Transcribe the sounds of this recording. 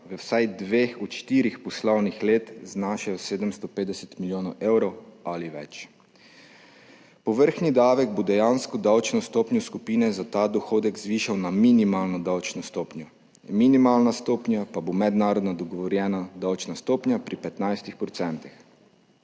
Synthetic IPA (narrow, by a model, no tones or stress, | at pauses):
ʋəwsajd̪ʋeːxɔt̪ʃt̪iɾixpɔslɔwnixleːt̪znaʃajɔseːd̪əmst̪ɔpeːd̪ɛsɛt̪miljoːnɔwʔeːwɾɔwaliʋɛ̰t͡ʃ | pɔʋəɾxnid̪aːʋɛɡ̚bod̪ɛjaːnskɔd̪awt͡ʃnɔst̪oːpnjɔskupiːnɛzat̪aːd̪ɔxoːd̪ɛkzʋiːʃawnaminimaːlnɔd̪awt͡ʃnɔst̪oːpnjɔ | minimalnast̪oːpnjapabomɛd̪naːɾɔd̪nɔd̪ɔɡɔʋɔɾjɛːnad̪awt͡ʃnast̪oːpnʲjapɾipɛt̪najst̪ixpɾɔt̪sɛnt̪ix